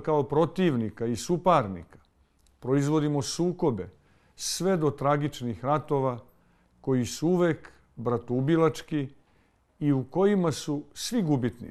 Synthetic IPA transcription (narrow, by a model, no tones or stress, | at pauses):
kaopɾo̞t̪iʋnikaisupaɾnḭkḁ | pɾo̞izʋo̞d̪imo̞suːko̞be̞ | sʋe̞d̪o̞t̪ɾaɡit͡ʃnixɾat̪o̞ʋa | ko̞jisuuʋe̞ːk | bɾat̪ubilat͡ʃkiː | uko̞jimasusʋiɡubit̪nḭ